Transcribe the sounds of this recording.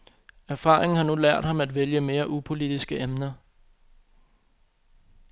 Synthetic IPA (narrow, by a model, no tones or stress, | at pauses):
æɐfɑ̰̈ːʁeŋn̩hɑ̈nulæɐ̰d̥hɑ̈mæd̥ʋeljəme̝ːɐʔupʰo̝lid̥isɡ̥əʔemnɐ